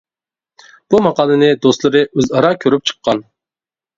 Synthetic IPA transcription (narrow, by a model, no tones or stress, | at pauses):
b̥umɑqʰɑːlˠɨnɪd̪ost̪lˠɨɾɨʔøzɑɾɑkʲʰøɾyp̚t͡ʃʰə̥qʰːɑn